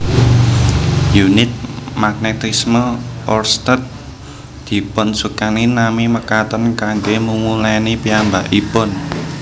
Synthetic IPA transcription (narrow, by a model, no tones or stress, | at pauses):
junɪt̪̚maɡ̥̚net̪isməʔɔrst̪ət̪̚ | d̪̥i̤pʊnsukaninamiməkat̪ənkaŋɡemumulanipiambaʔipʊn